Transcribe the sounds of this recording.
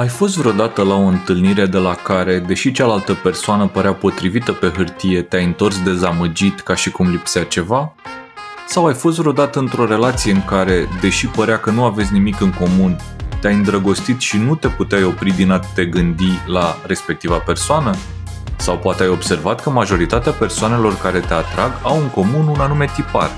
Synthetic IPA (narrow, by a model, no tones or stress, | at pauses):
ajfo̞st̪vɾeo̞d̪at̪əlao̞ɨnt̪ɨlniɾe̞d̪e̞lakaɾe̞d̪e̞ʃit͡ʃalalt̪əpe̞rsoanəpəɾeapo̞t̪ɾivit̪əpe̞ɦɨrt̪ije̞t̪eajɨnt̪o̞rsd̪e̞zaməd͡ʒit̪kaʃikumlipseat͡ʃe̞va | sawajfo̞s̬t̪vɾeod̪at̪əɨnt̪ɾo̞ɾe̞lat̪sije̞ɨŋkaɾe̞d̪e̞ʃipəɾeakənuavesʲnimikɨŋko̞mun | t̪eajɨnd̪ɾəɡo̞st̪it̪ʃinut̪e̞put̪eajo̞pɾid̪inat̪t̪e̞ɡɨnd̪ilaɾe̞spe̞k̚t̪ivape̞rsoanə | sawpoat̪eajo̞bse̞rvat̪kəmaʒo̞ɾit̪at̪eape̞rsoane̞lo̞rkaɾe̞t̪e̞at̪ɾaɡawɨŋko̞mununanume̞t̪ipa̰r